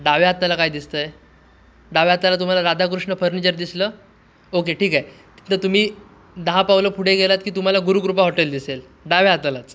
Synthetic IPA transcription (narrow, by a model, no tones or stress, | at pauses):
ɖaʋeɦat̪ːalakajd̪ist̪əje | ɖaʋeɦat̪ːalat̪̬um̤alaɾad̪ʱak̬ɾuʂɳəfʰəɾnit͡ɕəɾd̪isləː | okeʈʰiːkaj | t̪əɾt̪um̤iː | d̪aɦapaʋləːpʰuɽeɡelat̪kiːt̪um̤alaɡuɾuɡɾup̬aɦɔʈeld̪isel | ɖaʋeɦat̪alat͡s